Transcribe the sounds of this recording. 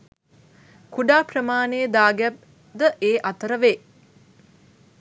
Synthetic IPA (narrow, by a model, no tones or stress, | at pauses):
kuɖaːprəmaːnejəd̪aːɡæp̚ | d̪əʔeːʔat̪əɾəʋeː